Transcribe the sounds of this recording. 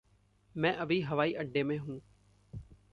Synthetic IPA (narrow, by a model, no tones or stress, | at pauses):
mɛ̃ːʔəbiːɦəʋaːiːʔəɖːeːmẽːɦũː